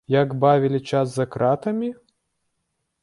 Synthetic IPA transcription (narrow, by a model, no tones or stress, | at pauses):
jaɡbavʲilʲit͡ʃaszɐkɾat̪ɐmʲi